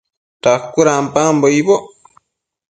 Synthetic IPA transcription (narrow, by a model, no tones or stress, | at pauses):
t̪akːuɾampamboibo